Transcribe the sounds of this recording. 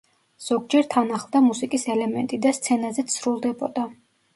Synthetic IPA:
z̥ɔɡd͡ʒɛɾt̪ʰanaχlˠd̪amusikʼisɛlɛmɛnt̪ʼid̪ast̪sʰɛnazɛt̪sʰɾulˠd̪ɛbɔd̪a

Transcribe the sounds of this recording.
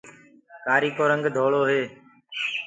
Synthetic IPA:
kaːɾiːkoːɾəŋɡd̪ʱoːɭoːɦeː

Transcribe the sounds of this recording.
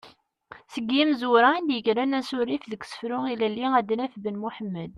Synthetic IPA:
səɡːimzʊɾaænd̪jəkɾænæsʊɾifðəksə̥fɾʊilælːiæd̪næfbənmuħəmːəd̪̚

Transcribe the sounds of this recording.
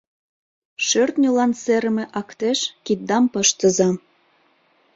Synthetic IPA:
ʃørt̪nʲolɑnseɾəmĕʔɑkt̪eʃkit̪̚d̪ɑmpəʃt̪ə̆zɑ

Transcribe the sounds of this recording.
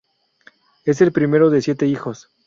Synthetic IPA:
e̞s̬e̞lpɾime̞ɾo̞ðe̞sje̞t̪e̞ixo̞s

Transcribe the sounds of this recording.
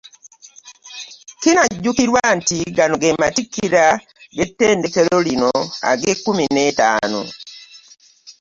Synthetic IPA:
kɪnaɟukiɾwantiɡanoɡematikːiɾa | ɡetendekeɾoɾinɔa̰ɡekuminɛta̰nɔ̰

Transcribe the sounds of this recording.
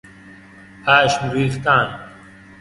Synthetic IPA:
haːɕmɾiːxt̪aːn

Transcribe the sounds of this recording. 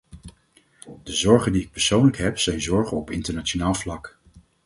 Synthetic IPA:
d̥əzɔɹχəndiɪk̚pəɹsownləkɦɛpsɛjnzɔɹχənɔpɪntəɹnat͡ʃonaːlˠvlɑk

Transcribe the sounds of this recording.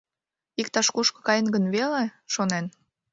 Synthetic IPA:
ikt̪ɑʃkuʃkɤ̥̆kɑjənɡənβeleʃonen

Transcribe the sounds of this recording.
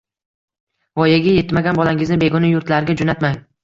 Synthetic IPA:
vɒjaɡʲaje̞t̪maɡʲanbɒlaŋɪznɪbe̞ɡɒnajʊɾt̪laɾɡʲad͡ʒonat̪maŋ

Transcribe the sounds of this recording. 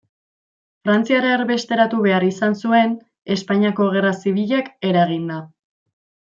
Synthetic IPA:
fɾant͡siaɾaeɾβe̞st̪e̞ɾat̪uβe̞aɾisansue̞n | e̞spaɲiako̞ɣ̞e̞rasiβiʎake̞ɾaɣ̞ind̪a

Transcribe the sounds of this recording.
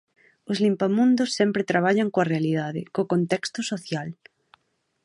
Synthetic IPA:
ʊzlimpamũnd̪ʊsːɛmpɾɪt̪ɾaβ̞aʎaŋkoɐrealiðaðɪkokõnt̪ɛkst̪ʊsoθjal

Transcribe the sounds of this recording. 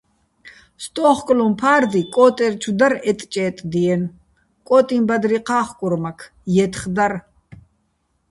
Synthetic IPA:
st̪ʼɔːχkʼlɔmpʰaːrd̪ikʼɔːt̪ʼɛrt͡ʃʰud̪aɾɛt̪ʼt͡ʃʼɛːt̪ʼd̪iɛn | kʼɔːt̪ʼimbad̪ɾiqʰaːχkʼuɾmakʰ | jɛt̪ʰχd̪ar

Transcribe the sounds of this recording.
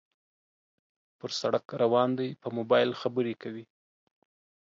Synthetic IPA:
pəɾsaɽakɾawɑnd̪ajpəmobɑjlxabəɾekawi

